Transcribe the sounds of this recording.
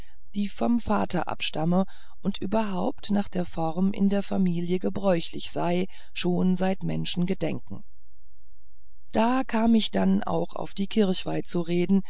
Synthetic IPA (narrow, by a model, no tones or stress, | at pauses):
d̥iːfɔmfa̰ːtʰɐ̰ʔa̰pʃtamə | ʔʊntʔyːbɐɦaʊptnaːχd̥eːɐfɔʁmʔɪ̰ndeːɐfamiːljəɡəbʁɔʏçlɪ̰çz̥aɪ | ʃoːnzaɪtmɛnʃn̩ɡədɛ̰ŋkŋ̩ | d̥aːkʰaːmɪçd̥ana̰ʊxa̰ʊfd̥iːkʰɪɐçv̥aɪt͡suʁeːdn̩